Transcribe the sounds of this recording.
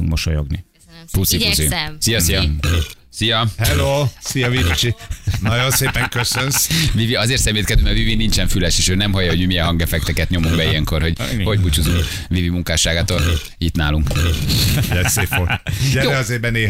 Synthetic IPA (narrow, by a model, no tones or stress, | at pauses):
uŋɡmoʃojo̰ɡnḭ | pust̪iozsijɒsijɒ | sijɒhɛloːsijɒviit͡ʃinɒɟonseːpɛŋkøsønsviviɒzeːrt̪sɛmeːt̪kɛzømɛvivinint͡ʃɛɱfylɛʃeːʃøːnɛmɦɒjːɒɦo̞ɟmimijɛnɦɒŋɡɛfɛk̚t̪ɛkɛt̪ɲo̞muŋɡbɛijɛŋko̞rho̞ɟ̥ho̞ɟput͡ʃuzuŋ | vivimuŋkaːʃaːɡaːt̪oːl | it̪na̰ːluŋk | lɛseːfoɛjoɛɒzeːbɛneː